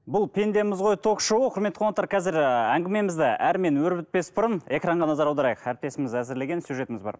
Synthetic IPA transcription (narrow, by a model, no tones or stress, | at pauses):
bʊlˠpʰʲend̪e̞mɪzʁo̞jt̪ʰo̞qʃuwəqʰʊɾmet̪ːəqʰoət̪ːɑɾqʰɑzɪɾæŋɡʲɪme̞mɪzd̪ɪʔæɾme̞nwɵɾbɪt̪̚pe̞sbʊɾəne̞krɑɴʁɑnɑzɑɾɑwd̪ɑɾɑjəqæɾɪp̚t̪e̞sɪmɪzæzɪɾle̞ɡʲe̞nsjuʒe̞t̪ɪmɪzbɑ̰ɾ